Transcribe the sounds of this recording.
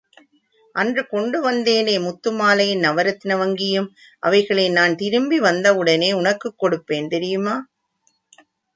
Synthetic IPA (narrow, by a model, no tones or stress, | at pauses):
ʔɐndrɯkɔɳɖɯʋɐnd̪eːneːmʊt̪ːɯmaːlɐjɪnnɐʋɐɾɐt̪ːɪnɐʋɐŋɡɪjɯm | ʔɐ̰ʋɐɪɣɐɭeːnaːnt̪ɪɾɯmbiʋɐnd̪ɐɯɽɐneːʊɳɐkːɯkːɔɽɯpːeːnt̪ɛɾɪjɯmaː